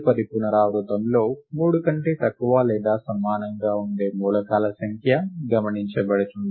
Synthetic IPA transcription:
pɐd̪ipunɐɾaːʋɾut̪ɐmlo̞ːmuːɽukɐɳʈeːt̪ɐkːuʋaːlɛːd̪aːsɐmːaːnɐŋɡaːuɳɖe̞ːmuːlɐkaːlɐsɐŋkʰjɐɡɐmɐniɲt͡ʃɐbɐɽɐt̪und̪i

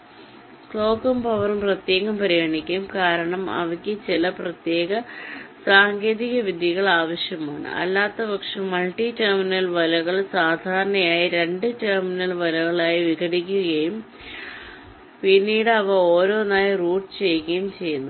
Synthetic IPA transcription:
kɭo̞ːkːɐmpɐʋɐrumprɐt̪je̞ːɣɐmpɐɾiɣɐɳikʲːumkaːɾɐɳɐmɐ̰ʋɐkʲːɨt͡ɕilɐprɐt̪je̞ːɣɐsaːŋɡe̞ːðiɣɐʋid̪ʱjiɣɐɭaːʋɐɕjɐmaːɳɨ̰ɐ̰lːaːt̪ːɐbɐkʂɐmːɐlʈiterminɐlʋɐlɐɣɐɭsaːd̪ʱaːɾɐɳɐjaːjiɾe̞ɳɖɨʈerminɐlʋɐlɐɣɐɭaːjiʋikɐɽikʲːuɣɐjum | pinːiːɽɨɐʋɐoːɾo̞ːnaːjɐruːɖɨt͡ɕe̞jɣɐjumt͡ɕe̞jːunːu

